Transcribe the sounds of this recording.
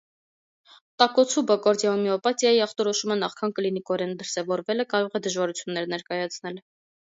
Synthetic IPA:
t̪ɑkɔt͡sʰubɔkɔɾd̪jɑumiɔpɑt̪jɑjiɑχt̪ɔɾɔʃumənɑχkʰɑnklinikɔɾɛnd̪əɾsɛvɔɾvɛləkɑɾɔʁɛd̪əʒvɑɾut͡sʰjunːɛɾnɛɾkɑjɑt͡sʰnɛl

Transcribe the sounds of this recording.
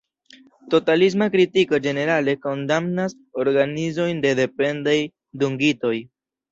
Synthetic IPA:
to̞talis̬makɾitikod͡ʒe̞ne̞ɾale̞ko̞ndamnas | o̞ɾɡanizo̞jnde̞de̞pe̞ndaj | duŋɡito̞j

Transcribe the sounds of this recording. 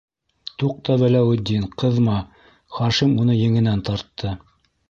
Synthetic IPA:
t̪uq̚t̪ɑβælæwɘ̆d̪ːinqɤ̆ðmɑ | χɑʃimunɤjɘ̆ŋɘ̆nænt̪ɑɾt̪ʰːɤ

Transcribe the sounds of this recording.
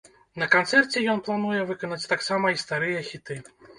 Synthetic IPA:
nɐkant̪sɛrt͡sʲɛjɔnplˠanujɛvɨkɐnɐt͡sʲt̪aksamɐist̪aɾɨjɐxʲit̪ɨ

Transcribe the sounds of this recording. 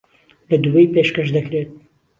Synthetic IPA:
lɐd̪uwejpeːʃkɐʃd̪ɐkɾeːt̪̚

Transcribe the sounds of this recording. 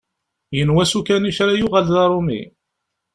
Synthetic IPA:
jənwæsukæniçɾajʊʁalðɑɾˤomḭ

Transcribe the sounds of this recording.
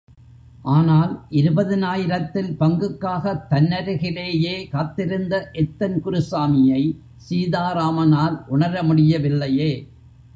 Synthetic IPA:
ʔaːnaːlʔɪɾɯbɐðɯnaːjɪɾɐt̪ːɪlpɐŋɡɯkːaːɣɐt̪ːɐnːɐɾɯɣɪleːjeːkaːt̪ːɪɾɯnd̪ɐʔɛt̪ːɐnkʊɾɯsaːmɪjɐɪ | siːðaːɾaːmɐnaːlʔʊɳɐɾɐmʊɽɪjɐʋɪlːɐjeː

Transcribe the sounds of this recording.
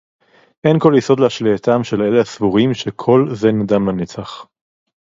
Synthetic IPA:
ʔenko̞ljeso̞d̪leaʃleat̪amʃe̞le̞lehasvuʁimʃekʰo̞lzenad̪amanet͡saχ

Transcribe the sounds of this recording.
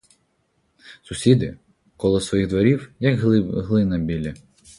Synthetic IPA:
sʊsʲid̪ɪ | kɔlˠɔsʋɔjiɣd̪ʋɐɾʲiwjɐkɦlˠɪnɐbʲilʲɐ

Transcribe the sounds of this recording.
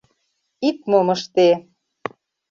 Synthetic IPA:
it̪̚momɤ̆ʃt̪e

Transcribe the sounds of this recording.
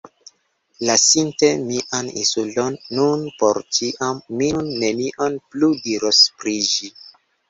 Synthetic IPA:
lasintemiʔanḭsulonːunpo̞ɾt͡ʃiʔamːinːe̞niʔonpludiɾospɾid͡ʒi

